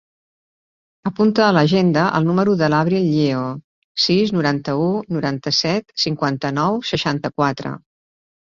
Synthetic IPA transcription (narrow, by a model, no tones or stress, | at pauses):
əpunt̪əːləʒend̪əʔə̰lˠnuməɾuðəlaβɾiʎeo | siznuɾant̪əunuɾant̪əsɛt̪siŋkwant̪ənɔwsəʃant̪əkwat̪ɾə̰